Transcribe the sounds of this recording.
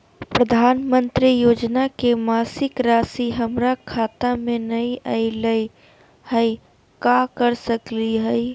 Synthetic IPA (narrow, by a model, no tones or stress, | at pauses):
pɾəd̪ʱaːnmə̃nt̪ɾijoːd͡ʒnakemaːsɪkɾaːsiɦəmɾakʰaːt̪amẽnəĩəiləi | həj | kakəɾsəkliɦəj